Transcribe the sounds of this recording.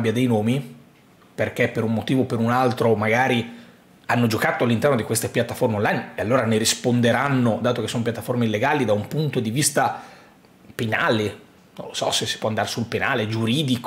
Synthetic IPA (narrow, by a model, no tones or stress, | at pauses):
bjad̪ejnoːmi | perk̟epːeɾumːot̪iːvopeɾunalt̪ɾomaɡaːɾi | anːod͡ʒokat̪oalːint̪ɛrnod̪ikwest̪epjat̪ːaformeonlajnealːoːɾaneɾispond̪eɾanːod̪aːt̪okesːonop̬jat̪ːaformeilːeɡaːlid̪aumpunt̪od̪ivist̪a | penaːle | no̰nlosɔ̰sesːi̥pːwɔand̪aːɾesulpenaːled͡ʒuɾiːd̪ik